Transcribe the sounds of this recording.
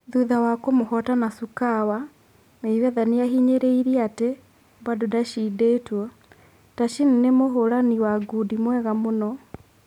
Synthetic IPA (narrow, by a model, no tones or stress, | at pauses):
ðuðawakomohɔtanasukawa | neiwɛðaneaɦiɲeɾeiɾiate | badodaʃiːdeːtwɔ | taʃininemoɦoɾaniwaɡudimwɛɣamonɔ